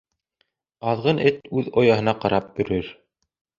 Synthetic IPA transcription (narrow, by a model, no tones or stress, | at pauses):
ɑðʁɤnʔɘt̪ʉðojɑɦɤ̆nɑqɑɾɑp̚jɵ̆ɾɵɾ